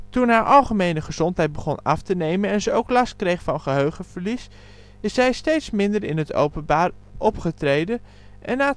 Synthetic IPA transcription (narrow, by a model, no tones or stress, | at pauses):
tunɦaːɹʔɑlˠχəmejnəχəz̥ɔntɦɛjd̚bəχɔnɑftənejmənɛnzəowklɑst̚krejχfɑnχəɦøɥχəv̥əɹlis | ɪsɛjstejtsmɪndəɹɪnɦəto̰wpənbaːr | ʔɔpχətrejdən | ʔɛnaː